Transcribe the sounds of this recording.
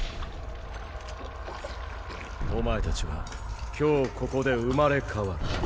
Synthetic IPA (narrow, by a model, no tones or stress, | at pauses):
omae̞t̪at͡ɕiβa̰kʲo̞ːko̞ko̞d̪e̞ɯ̟maɾe̞kʰaβa